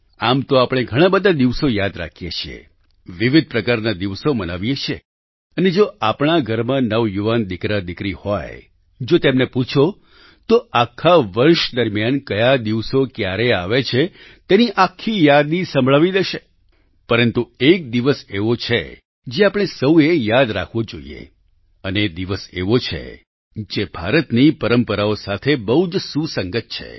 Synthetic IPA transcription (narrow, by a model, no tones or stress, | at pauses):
amt̪oapɽ̃eɡʱəɽ̃ãbəd̪ʱad̪iʋsojad̪ɾa̰kʰjḛt͡ʃʰiḛ | ʋɪʋɪd̪̚pɾəkaɾnad̪iʋsoməna̰ʋjet͡ʃʰe | əned͡ʒoapɽ̃aɡʱəɾmãnəʋjuʋand̪ɪkɾad̪ɪkɾiho̰j | d͡ʒot̪emneput͡ʃʰo | t̪oakʰːaʋəɾʃd̪əɾmjankəjad̪iʋsokjaɾeaʋet͡ʃʰe | t̪eniʔakʰːijad̪nisə̃mbʱɭaʋid̪eʃe | pəɾənt̪uek̚d̪iʋəseʋot͡ʃʰḛ | d͡ʒeapəɽ̃esəwejad̪ɾa̰kʰʋod͡ʒoḭḛ | əned̪iʋəsḛʋot͡ʃʰḛ | d͡ʒebʱaɾət̪nipəɾəmpəɾaosat̪ʰebəɦud͡ʒsũsəŋɡət̪̚t͡ʃʰḛ